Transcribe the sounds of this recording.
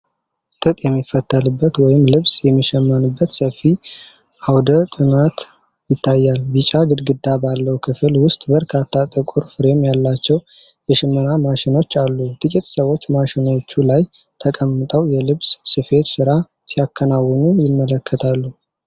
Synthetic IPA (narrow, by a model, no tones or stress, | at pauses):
t̪ʼɨt̪ʼjɛmːifːət̪ʰːəlɨbːət̪wɔjɪmlɨβsjɛmːiʃɛmːanɨbːət̪səfːi | ʔawd̪ət̪ʼɨnat̪ | jɪt̪ʰːajːalbɨt͡ʃʼaɡɨd̪ɡɨd̪ːabalːəwkʰɨfɨlwʊst̪ʼbəɾkʰat̪ʰːat̪ʼɨkʼuɾfɨɾe̞mjalːat͡ʃːɛw | jɛʃɪmːɨnamaʃɪno̞t͡ʃːalːut̪ʼɨkʼit̪ʼsəwo̞t͡ʃːmaʃɪno̞t͡ʃːulaj | t̪ʰəkʼəmːɨt̪ʼəwjɛlɨβssɨfe̞t̪sɨɾa | sijakʰːənawɔnujɪmːələkʰːət̪ʰalːu